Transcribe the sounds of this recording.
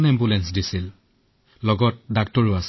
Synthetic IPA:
nɛmbulɛnsdisil | lɔɡɔt̚dak̚tɔɹʊas

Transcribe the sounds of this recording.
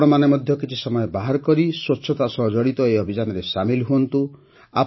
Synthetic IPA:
ɽɔmanemɔd̪ʱjɔkit͡ʃʰisɔmɔjɔbaɦaɾkɔɾiswoːsʰɔt̪asɔɦd͡ʒɔɽit̪ɔeɔbʱid͡ʒanɔɾesamilɦuɔnt̪u | a̰

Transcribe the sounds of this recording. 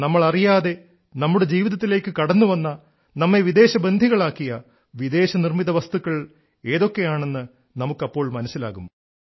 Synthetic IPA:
nɐmːɐɭɐrijaːðe̞ | nɐmːuɽe̞d͡ʑiːʋiðɐt̪ːile̞ːkːɨkɐɽɐnːuʋɐnːɐ | nɐmːe̞ʋid̪e̞ːɕɐbend̪ʱiɣɐɭaːkːijɐ | ʋid̪e̞ːɕɐnirmiðɐʋɐst̪ukːɐɭ | e̞ːðo̞kːe̞jaːɳe̞nːɨ | nɐmukːɐpːo̞ːɭmɐnɐsila̰ːɣumː

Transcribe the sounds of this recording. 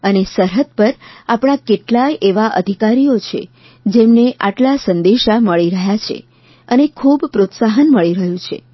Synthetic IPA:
ənesəɾɦəd̪̚pəɾapɳ̃akeʈlajʔeʋaʔə̰d̪ʱikaɾijot͡ʃʰḛ | d͡ʒemneʔaʈlasə̃nd̪eʃaməɭiɾəɦjat͡ʃʰḛ | ənekʰubpɾot̪saɦənməɭiɾəɦjũt͡ʃʰḛ

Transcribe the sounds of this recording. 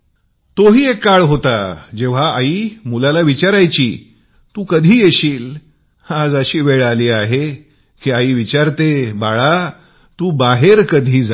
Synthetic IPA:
t̪oɦiːekːaɭɦot̪ad͡ʑeʋ̤aaiːmulalaʋit͡ɕaɾajt͡ɕiː | t̪uːkəd̪ʱiːjeɕiːl | ad͡zəɕiːʋeɭaliːaɦe | kiːaiːʋit͡ɕaɾt̪ebaɭa | t̪ũːbaɦeɾkəd̪ʱiːd͡za

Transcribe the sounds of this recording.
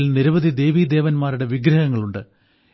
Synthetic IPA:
lniɾuʋɐðid̪e̞ːʋiːd̪e̞ːʋɐnmaːɾuɽe̞ʋiɡɾɐɦɐŋːɐɭuɳɖɨ

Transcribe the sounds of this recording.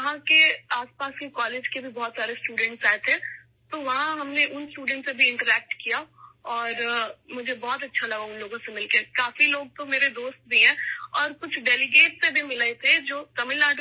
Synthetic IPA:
ɐɦãkeaːspaːskekɔːleːd͡ʒkebʱibɔɦːt̪saːɾesʈuːɖɛ̃ɳʈsaːet̪ʰẽ | t̪oʋɐɦãɦɐmneʔʊnsʈuːɖɛ̃ɳʈsebʱiɪ̃ɳʈəɾɛːk̚ʈkijaɔːɾmʊd͡ʒʱebɔɦɔt̪ɐtːʃʰalɐɡaʊnloːɡõsemɪlkekaːfiloːɡ̚t̪omeːɾed̪oːst̪̚bʱiɦɛ̃ːɔːɾkʊt͡ʃʰɖɛːlɪɡeːʈsebʱimɪlaet̪ʰed͡ʒoːt̪ɐmɪlaːɖ

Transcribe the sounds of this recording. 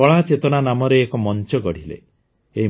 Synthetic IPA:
ɔɭat͡ʃet̪ɔɽ̃anamɔɾeːkɔmɔnt͡ʃɔɡɔɽ̤ilḛ | ei

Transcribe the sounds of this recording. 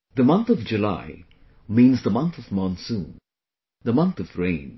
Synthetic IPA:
d̪əmʌ̃nt̪ʰɔvd͡ʒula̰ɪ | mĩːnzd̪əmʌ̃nt̪ʰɔvmɔ̃nsũːn | d̪əmʌ̃nt̪ʰɔvɹẽɪ̃n

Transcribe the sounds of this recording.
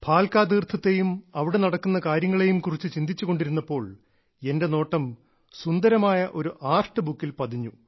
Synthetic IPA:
pʰaːlkaːd̪iːrt̪ʰːɐt̪ːe̞jumɐʋiɽe̞nɐɽɐkːunːɐkaːɾjɐŋːɐɭe̞jumkurit͡ɕːɨt͡ɕind̪it͡ɕːuɣo̞ɳɖiɾunːɐpːo̞ːɭ | e̞nde̞no̞ːʈːɐm | sund̪ɐɾɐmaːjɐʔo̞ɾuʔaːrʂʈɨbukːilpɐd̪iɲːu

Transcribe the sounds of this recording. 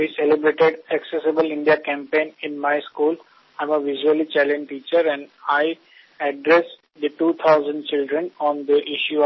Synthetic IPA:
ʋiselɪbɾeːʈeɖɛksesɪbəlɪ̃ɳɖiakɛ̃mpẽːnɪ̃nmaɪskuːl | ãɪ̃məʋɪʒuəlit͡ʃɛlɛ̃nɖʈiːt͡ʃəɾɛ̃ɳɖaɪ | ɛɖɾɛs | d̪əʈuːt̪ʰaʊzə̃ɳɖ̚t͡ʃɪlɖɾə̃nɔ̃ːnd̪əʔɪʃju

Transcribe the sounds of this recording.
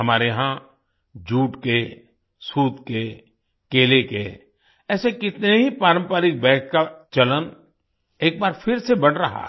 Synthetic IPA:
ɦɐmaːɾeɦã | d͡ʒuːʈke | suːt̪ke | keːlekḛ | ɛːsekɪt̪neɦipaːɾə̃mpaːɾɪk̚bɛːk̚kat͡ʃɐlən | eːk̚baːɾfʰɪɾsebɐɽɾɐɦa̰

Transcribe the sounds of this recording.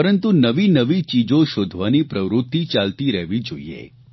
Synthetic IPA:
pəɾənt̪unəʋinəʋit͡ʃid͡ʒoʃod̪ʱʋanipɾəʋɾʊt̪ːit͡ʃalt̪iɾəɦʋid͡ʒoḭḛ

